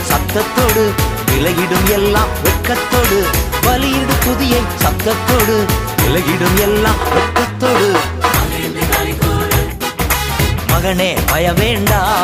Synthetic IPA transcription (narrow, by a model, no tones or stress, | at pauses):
sɐt̪ːɐt̪ːoːɽɯ | nɪlɐɣɪɽɯmɛlːaːmʋɛʈkːɐt̪ːoːɽɯʋɐlɪjɪɽɯpʊðɪjɐɪsɐt̪ːɐt̪ːoːɽɯnɪlɐɣɪɽɯmɛlːaːmʋɛʈkɐt̪ːoːɽɯ | mɐɣɐneːʋɐjɐʋeːɳɖaː